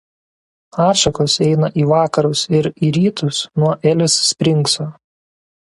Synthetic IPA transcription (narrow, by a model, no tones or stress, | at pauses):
ɑːʃɐkosɛɪnɐʔiːʋɑːkɐɾʊsɪɾiːɾʲiːt̪ʊsnuɔʔɛlʲɪsːʲpʲɾʲɪŋˑksoː